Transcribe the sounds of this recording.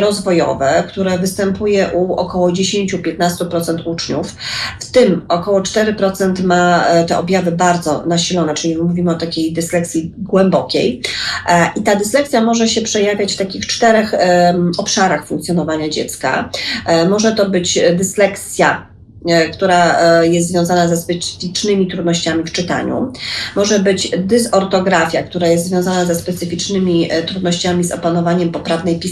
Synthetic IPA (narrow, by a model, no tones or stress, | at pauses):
ɾɔzvɔjɔ̰vɛkt̪uɾɛvɘst̪ɛmpujɛʔuɔkɔwɔd͡ʑeɕeɲt͡ɕupʲjɛt̪nast̪upɾɔt̪sɛnt̪ut͡ʂɲufft̪ɘmɔkɔwɔt͡ʂt̪ɛɾɘpɾɔt̪sɛnt̪mat̪ɛʔɔbʲjavɘbaɾd̪zɔ̰naɕilɔnɛt͡ʂɘlʲimuvʲimɘɔt̪akʲejd̪ɘslɛk̚tsʲiɡwɛmbɔkʲej | ʔit̪ad̪ɘslɛk̚t̪sʲjamɔʐɛɕɛpʂɛjavʲjat͡ɕft̪akʲixt͡ʂt̪ɛɾɛxɔpʂaɾaxfuŋkt̪sʲjɔnɔvaɲad͡ʑɛ̰t̪ska̰mɔʐɛt̪ɔbɘt͡ɕd̪ɘslɛkt̪sʲja | kt̪uɾajɛst̪zvʲjɔ̃w̃zanazɛspɛt̪sɘ̥fʲit͡ʂnɘmʲit̪ɾud̪nɔɕt͡ɕamʲift͡ʂɘt̪a̰ɲṵmɔʐɛbɘt͡ɕd̪ɘsɔɾt̪ɔɡɾafʲjakt̪uɾajɛst̪zvʲjɔ̃w̃zanazɛspɛt̪sɘfʲit͡ʂnɘmʲit̪ɾud̪nɔɕt͡ɕamʲizɔ̰panɔvaɲɛmpɔpɾavnɛjpʲis